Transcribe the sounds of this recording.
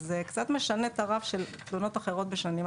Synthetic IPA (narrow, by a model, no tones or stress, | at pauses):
zekt͡sat̪meʃane̞t̪aʁavʃe̞lt̪luno̞t̪aχe̞ʁo̞t̪̚beʃanim